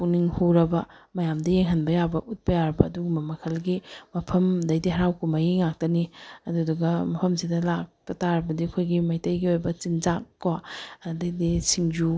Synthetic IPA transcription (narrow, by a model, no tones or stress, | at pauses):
puniŋhoɾɐbɐmɐjamdɐjeŋɦɐnbɐjabɐʔut̚pɐjaɾɐbɐːduɡumbɐmɐkʰɐlɡimɐpʰɐmdɐjdiɦɐɾawkumajiŋak̚tɐniɐduduɡɐmɐpʰɐmsidɐlak̚tɐtaɾɐbɐdiɐkʰojɡimɐjtɐjɡiojbɐt͡ʃinzakːwadɐjdisiŋd͡ʒu